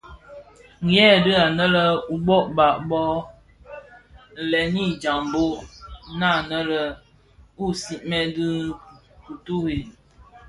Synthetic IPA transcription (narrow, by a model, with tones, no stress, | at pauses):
ŋ˨˦ɛ˦˨dɨ˦a˨nə˦lə˦u˨bɔ˦ʔba˨ʔbɔ˦˨ | lɛ˨ni˦d͡ʒa˨mbo˦ʔna˦˨nə˦lə˦ | u˦si˨ʔmɛ˦dɨ˦ | ku˨tu˦hi˨